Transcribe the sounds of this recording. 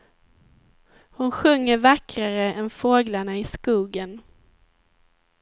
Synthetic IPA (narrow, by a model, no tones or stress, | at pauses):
hʊnɧɵŋːəɾvakɾaɾəʔɛnfoːɡlaɳaɪskuːɡən